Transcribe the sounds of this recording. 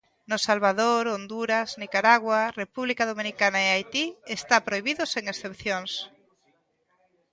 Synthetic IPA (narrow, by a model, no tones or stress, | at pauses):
nʊsalβaðoɾond̪uɾaznikaɾaɣwarepuβlikaðomĩnikanaeajt̪iest̪apɾojβiðʊseŋesθepθjoŋs